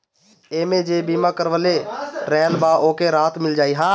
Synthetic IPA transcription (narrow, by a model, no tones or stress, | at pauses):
eːmed͡ʒebimakəɾwəleɾɛːlbaʔoːkeɾaːt̪ʰmɪld͡ʒaːiɦãː